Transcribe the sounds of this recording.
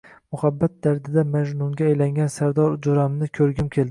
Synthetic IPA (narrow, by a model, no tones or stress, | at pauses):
mʊhabːat̪̚d̪aɾd̪ɪd̪amad͡ʒnʊŋɡʲaːjlaŋɡʲansaɾd̪ɒɾd͡ʒʊɾamnɪkʲʰɵɾɡʲɪmkʲʰe̞ld̪ɪ